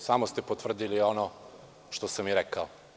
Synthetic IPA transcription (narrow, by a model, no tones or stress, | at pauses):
samost̪epot̪vr̩d̪iliono | ʃt̪osamjiɾekao